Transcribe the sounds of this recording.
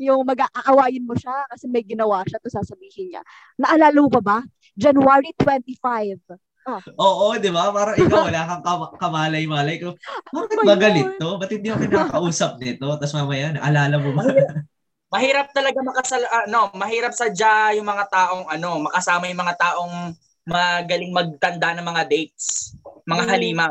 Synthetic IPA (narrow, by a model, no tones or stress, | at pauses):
jʊŋmɐɡaʔɐʔɐwaːjɪnmoʃakɐsɛmɐjɡɪnɐwaʃat̪ʊsaːsɐbiːhɪnɲa̰ | nɐʔɐlaːlɐmʊpɐba | d͡ʒɐnwaːɹit̪wɛnt̪ifajv | oʔoːʔod̪ɪbapaːɾɐŋʔɪkawwɐlaːkɐŋkɐkɐmaːlɐjmaːlɐjkobaːkɪt̪̚mɐɡɐlɪt̪̚ːobɐt̪ɪd̪̚ɲɪɐkɪnɐɐkɐʔuːsɐp̚nɛt̪o̞t̪ɐsmamɐjaːnɐʔɐlaːlɐmʊbɐ | mɐɦiːɾɐp̚t̪ɐlɐɡamɐkɐsɐlʔɐno̞mɐɦiːɾɐp̚sɐd͡ʒajʊŋmɐŋat̪aːʔo̞ŋʔɐno̞mɐkɐsaːmɐjʊŋmɐŋat̪aːʔo̞ŋ | mɐɡɐlɪŋmɐɡ̚t̪ɐnd̪anɐŋmɐŋad̪ɛjt̪̚smɐŋaɦɐliːmɐ